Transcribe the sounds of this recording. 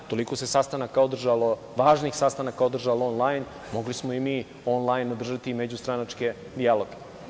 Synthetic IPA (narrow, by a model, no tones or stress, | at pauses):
t̪o̞liko̞sesast̪anakaod̪r̩ʒalo | ʋaːʒnixsast̪anakaod̪r̩ʒaloonlajn | mo̞ɡlismoimiː | o̞nlˠajnod̪r̩ʒat̪imed͡ʑust̪ɾanat͡ʃke̞ | d̪ialo̞ɡe